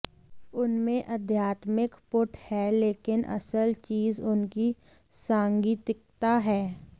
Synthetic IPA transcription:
ʊnmẽʔɐd̪ʱjaːt̪mɪkpʊʈhɛleːkɪnɐ̰səlt͡ʃiːzʊnki | sãːŋɡiːt̪ɪkt̪aɦɛː

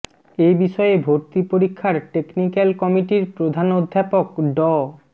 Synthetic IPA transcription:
ejbiʃɔeebʱoɾt̪ipoɾikʰːaɾʈeknikalkɔmiʈiɾpɾod̪ʱanod̪ʱːapokɖɔ

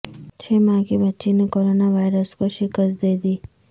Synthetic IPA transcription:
t͡ʃʰeːmãːkibɐtːʃinekoːɾoːnaʋaːɪɾəskoʃɪkəst̪d̪eːd̪iː

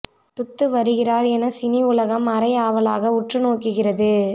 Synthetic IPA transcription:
ʈ̪ʊt̪ːɯʋɐɾɯɣɪraːɾɛnɐsɪniʊlɐɣɐmɐɾɐjaːʋɐlaːɣɐʊʈrɯnoːkːɯɣɪrɐðɯ

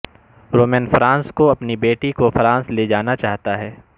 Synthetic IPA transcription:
ɾoːmɛːnfɾãːnskoɐpnibeːʈikofɾãːnsled͡ʒaːnat͡ʃaːɦt̪aɦɛː

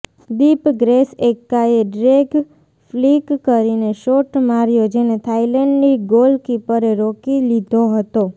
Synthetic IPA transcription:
d̪ipɡɾesekːaeɖɾeɡ | flikːəɾineʃoʈmaɾjod͡ʒenet̪ʰailɛɳɖniɡolkipəɾeɾokilid̪ʱoɦət̪o

